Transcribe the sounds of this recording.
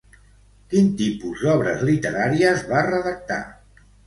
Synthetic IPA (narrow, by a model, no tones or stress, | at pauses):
kint̪ipuzd̪ɔβ̞ɾə̰zlit̪əɾaɾiəzβarəðək̚t̪a̰